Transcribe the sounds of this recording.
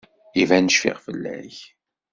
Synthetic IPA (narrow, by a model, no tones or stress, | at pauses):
ivænəʃfɪ̰ʁfəlːæ̰ç